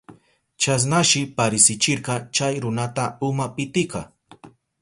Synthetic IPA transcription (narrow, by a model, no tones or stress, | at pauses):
t͡ʃas̬naʃɪpaɾɪsɪt͡ʃɪɾqɑt͡ʃajɾʊnat̪aʊmapɪt̪ɪkɑ